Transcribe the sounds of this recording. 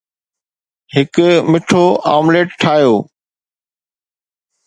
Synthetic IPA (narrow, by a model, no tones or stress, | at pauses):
hɪkmɪʈʰoːa̰ːmleːʈʈʰaːjoː